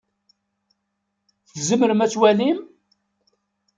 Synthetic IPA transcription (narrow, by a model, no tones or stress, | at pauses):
θzəməɾəmæt͡sːwælim